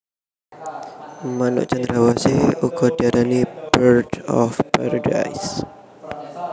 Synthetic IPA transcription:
manṵʔt͡ʃand̪ɾawaseukɔdaɾanibəɾdɔ̰fpa̰ɾada̰js

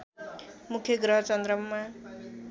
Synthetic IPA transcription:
mukʰjʌɡɾʌɦʌt͡sʌnd̪ɾʌmːa

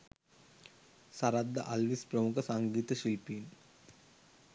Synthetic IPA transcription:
saɾad̪ːə̰ʔalʋispɾəmukʰəsaŋɡiːt̪əʃilpiːn

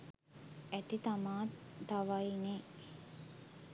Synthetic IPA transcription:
æt̪it̪amaːt̪aʋaine

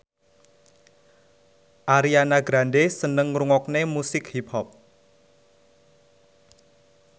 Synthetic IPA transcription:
ʔaɾianaɡɾanɖesənəŋɾuŋɔknemusɪkhiphɔp̚

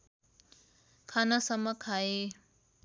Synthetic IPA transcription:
kʰanʌsʌmːʌkʰae

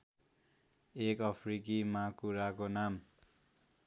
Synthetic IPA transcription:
ekʌpʰrikimakuɾakonam

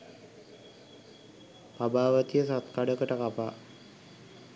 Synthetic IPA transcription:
pabaːʋət̪ijəsat̪kaɖəkəʈəkapa̰ː

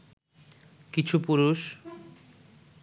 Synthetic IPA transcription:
kit͡ɕʰupuɾuʃ

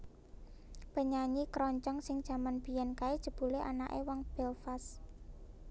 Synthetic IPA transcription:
pəɲaɲikɾɔɲt͡ʃɔŋsɪŋd̥ʒ̥a̤manb̥i̤jɛnkaed̥ʒ̥ə̤b̥ṳleʔa̰na̰ʔḛwɔŋb̥ɛlfas

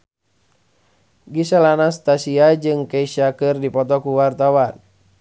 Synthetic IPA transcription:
ɡisalanast̪asiad͡ʒɨŋkɛiʃakɨrdipɔt̪ɔkuwart̪awan

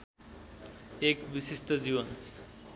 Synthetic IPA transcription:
ekbisisʈod͡ziβon

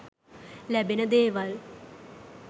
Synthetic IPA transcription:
lɛbenəd̪eːʋal

